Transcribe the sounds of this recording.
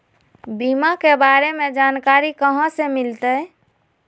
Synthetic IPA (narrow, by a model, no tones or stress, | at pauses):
bimakebaɾemed͡ʒankaɾikəɦə̃semilt̪əj